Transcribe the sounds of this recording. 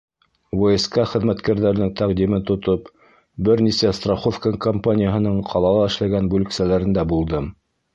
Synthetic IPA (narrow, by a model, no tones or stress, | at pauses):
voeskɑχɘ̆ðmæt̪kæɾðæɾnɘŋt̪æqd̪imɘnt̪ŏt̪op | bɘɾnisæst̪raχofkaŋkompanʲɪjəɦɤ̆nɤɴqʰɑlˠɑlˠɑɘ̆ʃlæɡænbʉlɘ̆ksælæɾɘ̆nd̪æbulˠd̪ɤm